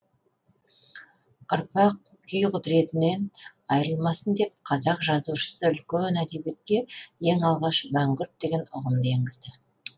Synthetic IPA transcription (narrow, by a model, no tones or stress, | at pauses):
ʊɾpɑq̚ | kʲʰʏjqʰʏd̪ɾe̞t̪ɪne̞n | ɑjɾəlˠmɑsənd̪e̞p̚qʰɑzɑqʒɑzuʃə̥səʏlkʲenæd̪ebe̞t̪kʲe̞je̞ŋɑlˠʁɑʃmæŋɡʲʏɾt̪̚d̪e̞ɡʲe̞nʊʁəmd̪əeŋɡʲɪzd̪ɪ